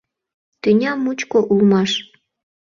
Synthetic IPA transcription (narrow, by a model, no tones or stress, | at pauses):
t̪ynʲɑmːut͡ɕkoʔulmɑʃ